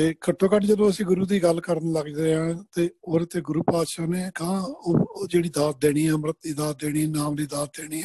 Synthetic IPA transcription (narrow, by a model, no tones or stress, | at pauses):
t̪eːkʰəʈʰːoːkəʈd͡ʒəd̪õːəsĩːɡʊɾuːd̪iːɡəlkəɾənləɡd̪eːɦãːt̪eːoːɾt̪eːɡʊɾuːpaːt̪ʃaːneːkãːoːd͡ʒeːɽiːd̪aːsd̪eːɽ̃iːaːmɾət̪̚d̪iːd̪aːs̚d̪eːɽ̃iːnaːmliːd̪aːsd̪eːɽ̃iːɛː